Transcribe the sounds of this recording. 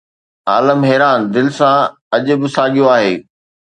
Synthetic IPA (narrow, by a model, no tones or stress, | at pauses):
a̰ːləmɦɛːɾaːnd̪ɪlɪsã | ɐʄʊ̆bɪ̆saːɠijoaːɦeː